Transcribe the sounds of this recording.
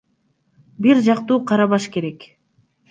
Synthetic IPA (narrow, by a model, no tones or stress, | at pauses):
biɾd͡ʒɑqt̪uːqʰɑɾɑβɑʃke̞ɾe̞k